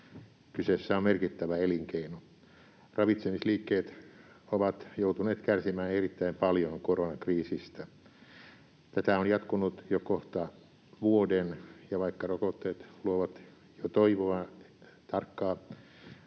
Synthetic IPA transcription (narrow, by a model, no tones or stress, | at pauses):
kysesːæommerkit̪ːæʋæeliŋkeino | rɑʋit̪semisliːkːeːt̪ | oʋɑt̪jout̪uneːt̪kærsimæːnerit̪ːæimpɑljoŋkoronɑkriːsist̪æ | t̪æt̪æonjɑt̪kunut̪jokoht̪ɑ | ʋuodenjɑʋɑikːɑrokot̪ːeːt̪luoʋɑt̪ | jot̪oiʋoɑ | t̪ɑrkːɑː